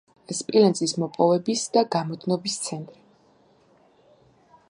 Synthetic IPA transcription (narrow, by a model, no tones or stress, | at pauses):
ɛspʼilɛnzʼismɔpʼɔvɛbisd̪aɡamɔd̪ʰnɔbist̪sʰɛnt̪ʼɾi